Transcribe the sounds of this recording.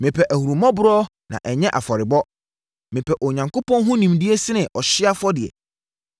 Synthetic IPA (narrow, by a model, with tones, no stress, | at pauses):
mɪ̃˨pʰɛ˨ʔæ˨hu˨ɾu˨mɔ̃˦bʊ˦ɾɔː˦ | nã̰˨ʔɛ˨ɲɛ̃˦ʔa˨fɔ˨ɾɪ˨bɔ˦ | mɪ̃˨pʰɛ˨ʔɔ˨ɲã˨ŋko˦pʰɔ̃˦nɦʊ̃˦nĩ˨mdɪ˦ɛ˦sɪ˦nɪ̃˨ʔɔ˨ɕɪ˦a˦fɔ˦dɪ˨ɛ̰˨